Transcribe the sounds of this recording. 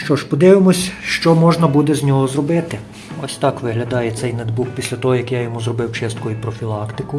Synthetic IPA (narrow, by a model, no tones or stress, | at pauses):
ʃt͡ʃɔʒpɔd̪ɪʋɪmɔsʲʃt͡ʃɔmɔʒnɐbud̪ɛzʲnʲɔɦɔzrɔbɪt̪ɪ | ɔsʲt̪ɑkʋɪɦlʲɐd̪ɑjɛt̪sɛjnɛd̪bukpʲisʲlʲɐt̪ɔɦɔjɐkjajɔmuzɾrɔbɪwt͡ʃɛst̪kɔjʊpɾɔfʲilˠɑkt̪ɪkʊ